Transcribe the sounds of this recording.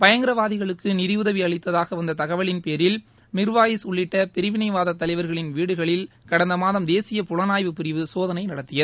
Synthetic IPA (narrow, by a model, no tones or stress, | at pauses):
pɐjɐŋɡɪɾɐʋaːðɪɣɐɭɯkːɯnɪðɪjʊðɐʋiɐɭɪt̪ːɐðaːɣɐʋɐnd̪ɐt̪ɐɣɐʋɐɭɪnpeːɾɪl | mɪɾɯʋaːjɪsʊɭːɪʈːɐpɪɾɪʋɪnɐɪʋaːðɐt̪ːɐlɐɪʋɐɾɣɐɭɪnʋiːɽɯɣɐɭɪl | kɐɽɐnd̪ɐmaːðɐmd̪eːsɪjɐpʊɻɐnaːjʋɯpɪɾɪʋɯsoːðɐnɐɪnɐɽɐt̪ːɪjɐɾ